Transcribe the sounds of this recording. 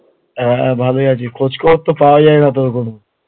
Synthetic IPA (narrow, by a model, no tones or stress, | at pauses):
ɦɛ̃bʱaloiat͡ɕikʰod͡ʑkoot̪ːopaoad͡ʒaenat̪̬oɾkono